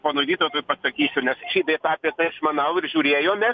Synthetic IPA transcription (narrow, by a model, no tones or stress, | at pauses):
poːnoːd̪ʲiːt̪ot̪oːjpɐsɐkʲiːsʲʊnʲɛsʃʲiːd̪ʲet̪ɑːpʲiɛt̪ɐɪʃmɐnɐʊɪrʒʲuːɾʲeːjoːmʲɛs